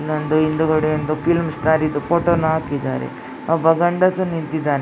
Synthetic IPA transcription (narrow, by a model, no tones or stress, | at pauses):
lond̪uind̪uɡɐɽeond̪upilmsʈ̪aːɾid̪upoːʈoːnːɐɦaːkid̪a̰ːɾḛ | abɐɡɐɳɖɐt̪unint̪id̪aːne